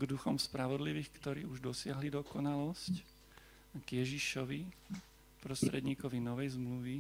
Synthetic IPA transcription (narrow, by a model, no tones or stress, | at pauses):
ɡd̪uxɔmspɾaʋɔd̪liʋiːxkt̪ɔɾḭːuʒd̪ɔsɪaɦlid̪ɔkɔnalɔsc | ɡjɛʒiʃɔʋi | pɾɔst̪ɾɛd̪ɲiːkɔʋinɔʋɛjzmluʋi